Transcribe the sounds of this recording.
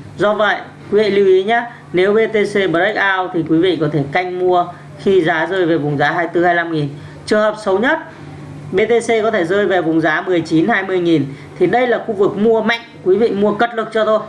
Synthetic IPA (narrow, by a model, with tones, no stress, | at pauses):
zɔ˧və̰˧˨j | kwi˨˦vḭ˧˨li˨˧˦wʔi˨˦ɲaː˨˧˦ | ne˨˦wɓe˧t̪e˧se˧ɓə˨˦t̚ʔə˦˥k̚ʔaː˧wt̪ʰi˨˩kwi˨˦vḭ˧˨kɔ˨˦t̪ʰe˧˩ka˧jŋ̟mu˧ə | xi˧zaː˨˦zəː˧jve˨˩vʊ˨˩ŋ͡mzaː˨˦ɦaː˧jt̪ɨ˧haː˧jla˧mŋi˨˩n | t͡ɕɨ˨˩ŋhəː˨˩p̚sə˨˦wɲə˦˥t̚ | ɓe˧t̪e˧se˧k̬ɔ˨˦t̪ʰe˧˩zəː˧jve˨˩vʊ˨˩ŋ͡mzaː˨˦mɨ˨˩əjt͡ɕi˨˦nhaː˧jmɨ˧əjŋi˨˩n | t̪ʰi˨˩ɗə˧jlaː˨˩xu˧vɨ˨˩k̚mu˧əma̰˧˨jŋ̟kwi˨˦vḭ˧˨mu˧əkə˦˥t̚lɨ˨˩ək̚t͡ɕɔ˧t̪ʰo˧j